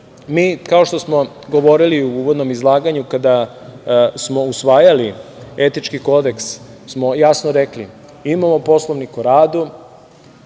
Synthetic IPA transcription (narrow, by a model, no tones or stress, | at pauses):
miːkao̞ʃt̪o̞smo̞ | ɡo̞ʋo̞ɾiliuuʋod̪no̞mizlˠaːɡaɲukad̪a | smo̞usʋaːjaliet̪it͡ʃkiko̞d̪eks | smo̞jasnoɾeklḭ | imamopo̞slˠoʋnikuɾaːd̪u